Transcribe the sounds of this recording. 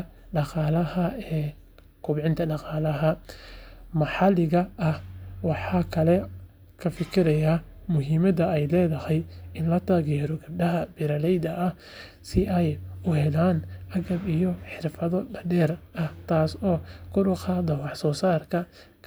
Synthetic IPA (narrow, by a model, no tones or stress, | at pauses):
ɖɑqɑːlɐhɐɛː | kʰʊbʕɪnt̪ʰɐɖɑqɑːlɐɦɐ | mɑħɑlɪɣɐʔɐhwɑħɑːkʰɐlɛ | kʰɐfɪkʰɪɾɐjaː | mʊɦiːmɐðɐɛjlɛːðɐhɛjɪnlɐt̪ʰaːɣɛːɾɔɡɐb̚ɖɐɦɐbɪɾɐlɛjd̪ɐʔː | sɪʔɛjʊhɛlaːnʔɐɣɐbijɔħɪrfɐðɔɖɐɖɛːrɐht̪ʰaːsɔːkʰʊɖʊqɑd̪ɐwɑħsɔːsaːrkʰɐ | kʰ